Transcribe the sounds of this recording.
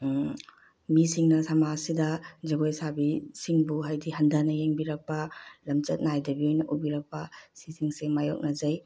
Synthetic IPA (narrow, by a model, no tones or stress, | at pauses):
misiŋnɐsamasidɐd͡ʒɐɡojsabisiŋbuɦajdiɦɐndɐnɐjeŋbiɾɐk̚pɐlɐmt͡ʃɐt̚najdɐbiojnɐʔubiɾɐk̚pɐsisiŋsemajok̚nɐzɐj